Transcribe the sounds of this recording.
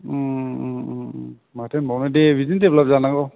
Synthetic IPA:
matʰenbawnadebizindeplap̚zanaɡɔ

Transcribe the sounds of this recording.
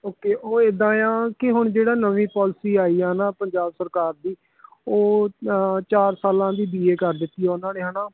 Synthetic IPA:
oːkeːʔoːed̪ãːjãːkɪɦʊɳd͡ʒeːɽaːnəʋĩːpɔːlsiːaːiːaːnaːpəɲd͡ʒaːbsəɾkaːɾd̪iː | oː | t͡ʃaːɾsaːlãːd̪iːb̪iːeːkəɾd̪ɪt̪ːiːaːʊnãːneːɦənaː

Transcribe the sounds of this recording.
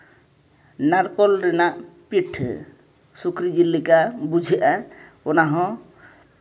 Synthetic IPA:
naɾkɔlɾinaʔpiʈʰ | sukɾid͡ʒilːikabud͡ʒʱiʔa | onaɦɔ̃

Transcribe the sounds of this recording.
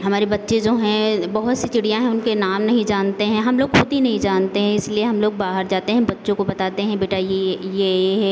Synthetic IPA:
ɦɐmaːɾebɐtːʃed͡ʒoːɦɛ̃bɐɦʊt̪sit͡ʃɪɽijãɦɛ̃ʊnkenaːmnɐɦĩd͡ʒaːnt̪eɦɛ̃ɦɐmloːɡxʊd̪inɐɦĩd͡ʒaːnt̪eɦɛ̃ɪslieɦɐmloːɡbaːɦəɾd͡ʒaːt̪eɦɛ̃bɐtːʃõkobɐt̪aːt̪eɦɛ̃beːʈajejeɦɛː

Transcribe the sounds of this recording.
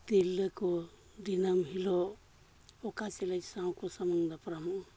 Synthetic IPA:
t̪ilːəkɔ | d̪inamɦilɔ | ɔkat͡ʃelajsaw̃kɔsamaŋd̪apɾamu

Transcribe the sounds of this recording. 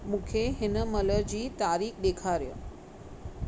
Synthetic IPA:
mũːkʰeɦɪnəmələɾd͡ʑiːt̪aːɾiːkɗ̪eːkʰaɾjo̰ː

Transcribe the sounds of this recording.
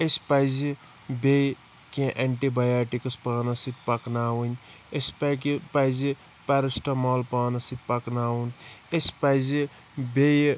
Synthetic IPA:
espajzi | bej | kẽʔeɳʈibajaːʈikɐspaːnɐsit̪̚pɐknaːwun | espakipajzi | paɾɐsʈɐmoːlpaːnɐsit̪̚pɐknaːwunespajzi | bej

